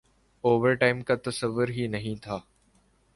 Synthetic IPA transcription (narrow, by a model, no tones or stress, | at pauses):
oːʋəɾʈaːɪmkaːt̪ɐsəʋːʊɾɦiːnɐɦĩt̪ʰaː